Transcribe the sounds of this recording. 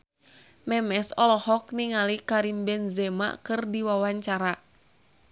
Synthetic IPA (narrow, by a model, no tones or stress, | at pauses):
mɛmɛsɔlɔhɔk̚niŋalikaɾimbɛnzɛma̰kɨrdiwawaɲt͡ʃaɾa